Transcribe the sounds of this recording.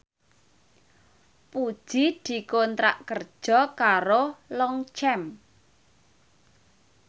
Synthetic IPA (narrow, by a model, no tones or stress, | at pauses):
pud̥ʒ̥id̪̥i̤kont̪ɾa̰ʔkərd̥ʒ̥ɔ̤kaɾolɔŋt͡ʃɛm